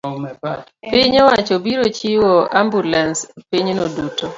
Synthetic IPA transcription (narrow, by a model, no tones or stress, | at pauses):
piɲɛwat͡ʃobiɾot͡ʃiwoambulɛnspiɲnoduto